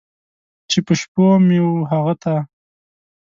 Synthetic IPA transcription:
t͡ʃepəʃpomewuɦaɣat̪a

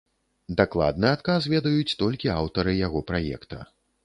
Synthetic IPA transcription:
d̪aklˠa̰d̪̚nɨat̪kasvʲɛd̪ɐjut͡sʲt̪ɔlʲkʲiawt̪ɐɾɨjaɣɔpɾajɛ̰kt̪ɐ̰

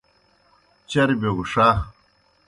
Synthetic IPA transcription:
t͡ɕɐɾbeɡuʂa

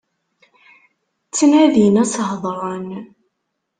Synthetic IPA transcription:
t͡sːnæðinæsɦðˤɾˤɑn

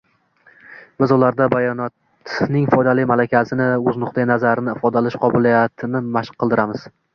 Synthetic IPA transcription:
b̥ɪzʊlaɾd̪abajɒnɒt̪ | nɪŋfɒjd̪alɪjmalakʲʰazɪnɪɵznʊqd̪anazaɾɪnɪɪfɒd̪alɪʃqʰɒbɪlijat̪ʰɪnɪmaʃqʰːɨlˠd̪ɪɾʔamɪz

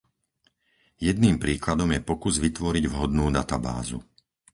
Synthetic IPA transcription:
jɛd̪niːmpɾiːklad̪ɔmjɛpɔkuzʋit̪ʋɔɾiɟʋɦɔd̪nuːd̪at̪aba̰ːzṵ

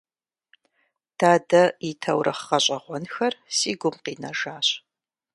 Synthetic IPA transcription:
d̥aːdɐitʰɐwrʔɐχːɐɕʼɐʁʷɔnxɐrsiːɡʷʊmqiːnɐʒaːɕʼ

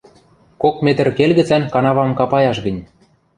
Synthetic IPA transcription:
kokmet̪ə̆rkelɣɘ̆t͡sænkɑnɑβɑmkɑpɑjɑʃɣə̆nʲ

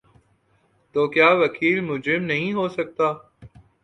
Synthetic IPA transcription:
t̪oːkjaːʋɐkʰiːlmʊd͡ʒɾɪmnɐɦĩɦoːsɐk̚t̪aː

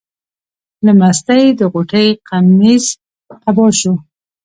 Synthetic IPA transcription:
ləmast̪ajd̪əɣoʈəjqamiz | abɑʃo

